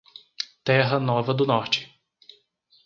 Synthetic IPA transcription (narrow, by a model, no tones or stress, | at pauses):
t̪ɛɦɐnɔvɐd̪ʊnɔɾt͡ʃɪ̥